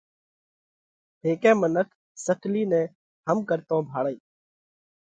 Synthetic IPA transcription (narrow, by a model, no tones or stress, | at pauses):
ɦeːkɛ̃ːmənəkʰ | səkʰliːnɛ̃ː | həmkəɾt̪õːbʱaːɽəiː